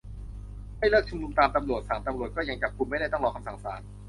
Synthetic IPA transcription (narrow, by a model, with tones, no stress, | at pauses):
ma˥˩jlɤː˥˩k̚t͡ɕʰu˥˩nu˧mt̪aː˧mt̪a˧mɾu˨˩ət̪̚saː˩˦mt̪a˧mɾu˨˩ət̪̚kɔː˥˩ja˧ŋt͡ɕa˨˩p̚kʰu˧ma˥˩jɾa˥˩jt̪ɔ˥˩ŋlɔː˧kʰa˧msa˨˩ŋsaː˩˦n̚